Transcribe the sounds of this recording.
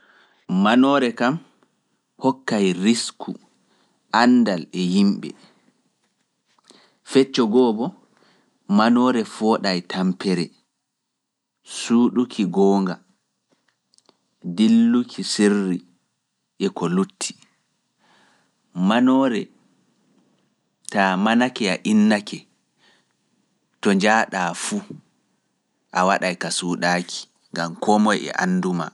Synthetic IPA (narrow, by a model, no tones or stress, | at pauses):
manɔːɾɛkam | hɔkːajɾiskʰu | ʔandalɛjimɓɛ̰ | fɛt͡ʃːɔɡɔːbɔ | manɔːɾɛfɔɗajtʰampɛɾɛ | suːɗukʰiɡɔːŋɡa | dilːukʰisirːi | ʔɛkɔlutʰːi̥ | manɔːɾɛ | tamanakɛaʔinːakɛ | tɔɲd͡ʒaːɗaːfu | ʔawaɗajkasuːɗaːkʰi̥ | ŋɡamkʰɔmɔjɛ̰ʔa̰nːduma̰